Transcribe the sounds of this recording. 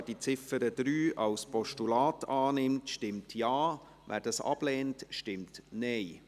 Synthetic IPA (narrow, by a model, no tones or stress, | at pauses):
d̥it͡sɪfəɾəd̥ɾyːʔɑwspɔʃtulaːtɑːnɪmtʃtɪmtʰjaː | væ̰ːɾdɑsɑ̰b̥lɛːntʃtɪmtnɛɪ